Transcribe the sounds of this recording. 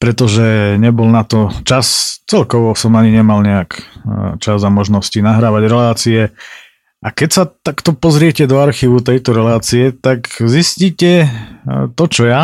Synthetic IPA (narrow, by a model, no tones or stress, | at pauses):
pɾɛt̪ɔʒɛɲɛbɔlnat̪ɔt͡ʃast͡sɛlkɔʋɔsɔmaɲiɲɛmalɲɛakt͡ʃazamɔʒnɔscinaɦɾaːʋaɟɾɛlaːt͡siɛ | ʔakɛcsat̪akt̪ɔpɔzɾɪɛcɛd̪ɔaɾxiːʋut̪ɛjt̪ɔɾɛlaːt͡siɛt̪akzisciːcɛ | t̪ɔt͡ʃɔja